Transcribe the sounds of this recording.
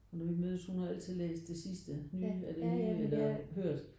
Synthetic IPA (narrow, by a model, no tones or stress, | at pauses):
ɒnɔʋimøːðˠəshunhɑ̈æl̰t͡sʰið̞̩̰ˠlḛːsd̥e̝sisd̥ənyːæd̥enyːelɐɦøɐ̰d̥